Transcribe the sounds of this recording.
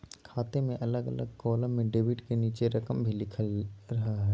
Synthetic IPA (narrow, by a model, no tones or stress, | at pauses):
kʰaːt̪emẽʔɐləɡɐlə̰ɡ̚kɔːlə̃mẽɖeːʋɪʈkeniːt͡ʃeɾɐkəmbʱilɪkʰəlɾɐɦaɦɛː